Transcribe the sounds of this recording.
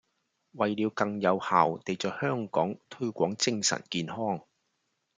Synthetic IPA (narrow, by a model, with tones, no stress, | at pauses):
wɐ˨jliː˨˧wkɐ˧ŋjɐ˨˧whaː˨wt̪e˨jt͡ʃœː˨hœː˥ŋkɔː˨˥ŋt̪ʰɵ˥ɥkʷɔː˨˥ŋt͡sɪ˧ŋsɐ̰˨˩nkiː˨nhɔː˥ŋ